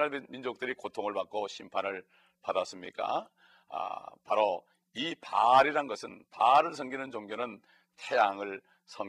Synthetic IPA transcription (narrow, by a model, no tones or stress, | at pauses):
aɭmind͡ʑok̚t͈ɯɾikotʰoŋɯɭpak͈oɕʰimpʰanɯɭ | padas͈ɯmɲḭk͈a̰ | paɾo | ipaɾiɾanɡʌsʰɯnpaɾɯɭsʰʌŋɡinɯnd͡ʑoŋɡjonɯn | tʰejaŋɯɭ | sʰʌŋ